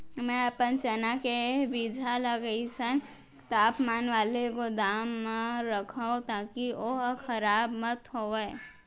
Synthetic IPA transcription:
mɛ̃əpənt͡ʃənakebid͡ʒʱaləɡəisən | t̪aːpmaːnʋaːlekod̪aːmːẽɾəkʰəõt̪aːkioɦkʰəɾaːbmət̪ɦoe

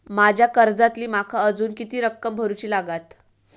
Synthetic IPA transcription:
mad͡ʑʱjakəɾd͡zat̪liːmakʰaəd͡zuːnkit̪iːɾəkːəmbʱəɾut͡ɕiːlaɡat̪

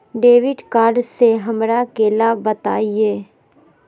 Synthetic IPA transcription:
ɖeːʋɪɖkaːɾɖseɦɐmɾakeːlabət̪aːieː

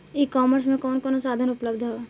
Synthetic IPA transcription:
ikɔːməɾs̬mẽkɔːnkɔːnosaːd̪ʱənʊpləbd̪ʱɦo

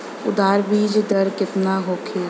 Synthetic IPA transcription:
ʊd̪aːɾbiːd͡ʒd̪əɾkɪt̪naːɦoːkʰeː

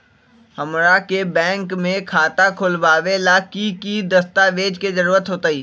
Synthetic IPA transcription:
hɐmɾakebɛ̃ːŋkmẽkʰaːt̪akʰʊlʋaːʋelakikid̪ɐst̪aʋeːd͡ʒkezɐɾuːɾət̪ɦoːt̪aiː

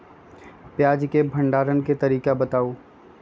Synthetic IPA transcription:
pjaːd͡ʒkebʱɐ̃ɳɖaːɾənket̪ɐɾiːkabɐt̪aːoː

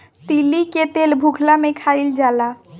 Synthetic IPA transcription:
t̪iliket̪elbʱukʰlamekʰaild͡ʒala

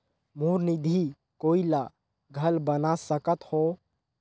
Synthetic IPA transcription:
muɾnid̪ʱi | koːila | ɡʱəlbənasəkət̪ho

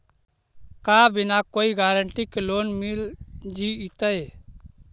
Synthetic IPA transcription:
kabʱɪnakoːiɡaːɾəɳʈikeloːnmild͡ʒiit̪əe

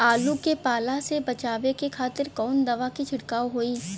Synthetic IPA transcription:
aːlukepaːlasebɐt͡ʃaːʋekekʰaːt̪ɪɾkɔːnd̪ɐʋakit͡ʃʰʊɽkaːoɦoiː

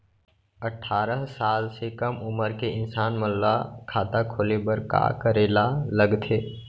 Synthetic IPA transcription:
əʈʰːaːɾəɦsaːlsekəmʊməɾkeɪnsaːnməlːakʰaːt̪akʰoːlebəɾka̰kəɾeːlaləɡt̪ʰeː

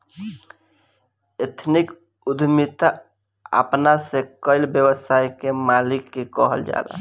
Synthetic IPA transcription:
et̪ʰnik | ud̪ʱmit̪a | ə̰pnasekəɪlbjəbəsajkemalikːekəɦə̰ld͡ʒa̰la̰

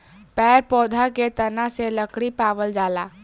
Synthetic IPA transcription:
pɛɾpɔd̪ʱaket̪ənaseləkɽipaʋəld͡ʒala

